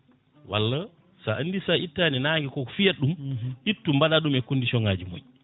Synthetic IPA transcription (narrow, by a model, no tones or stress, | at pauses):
wa̰lːa | saʔandisaʔitːaninaːŋɡɛkɔkɔfijaɗːumʔitːumbaɗaɗumɛkondisɔŋaːd͡ʒimo̰ɲ